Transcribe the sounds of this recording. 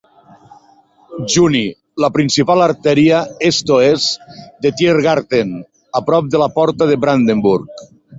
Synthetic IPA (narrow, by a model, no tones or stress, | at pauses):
ʒuni | lapɾinsipalaɾt̪ɛɾiaest̪oezd̪et̪jeɾɣaɾt̪en | apɾɔp̚d̪elapɔɾt̪aðeβɾand̪embuɾk